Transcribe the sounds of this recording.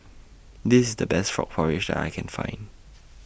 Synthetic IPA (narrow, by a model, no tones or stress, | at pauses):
d̪ɪsɪsdəbɛstfɹɔ̰k̚pʰɔɹɪd͡ʒdɛ̰ta̰ɪkʰɛ̃nfã̰ɪ̃nd